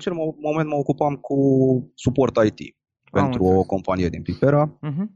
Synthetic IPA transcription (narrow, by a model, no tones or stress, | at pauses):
at͡ʃe̞lmo̞ment̪məokupamkusupo̞rt̪ajt̪ḭ | ppe̞t̪ɾuoko̞mpanije̞d̪inpifeɾa